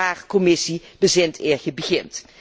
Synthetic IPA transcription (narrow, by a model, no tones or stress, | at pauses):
aːrkɔmɪsib̥əzɪntʰɪːɹxəbəɣɪnt